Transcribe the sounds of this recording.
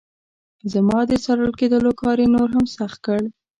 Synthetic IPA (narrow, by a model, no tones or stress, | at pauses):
zamɑd̪əsaɾəlked̪əlokɑɾenoɾɦamsaxt̪̚kəɽ